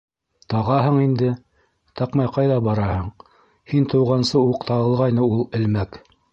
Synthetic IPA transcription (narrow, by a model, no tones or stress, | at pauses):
t̪ɑʁɑɦɤɴind̪ɘ | t̪ɑqmɑjqɑjðɑbɑɾɑhɤɴ | hint̪ɤ̆wʁɑnsɤuqt̪ɑɤ̆lˠʁɑjnɤulˠɘ̆lmæk